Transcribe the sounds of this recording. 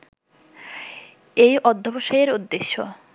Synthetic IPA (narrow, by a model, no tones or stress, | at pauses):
ejʔɔd̪ʱːoboʃajeɾud̪ːeʃːo̰